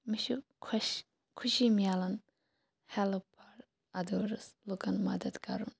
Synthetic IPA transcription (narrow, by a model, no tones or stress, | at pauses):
miʃukʰ | kʰuʃimijaːlɐn | hɛlɐpʰɐɾ | ɐd̪oːɾɐslukɐnmɐd̪ɐd̪kɐɾṵn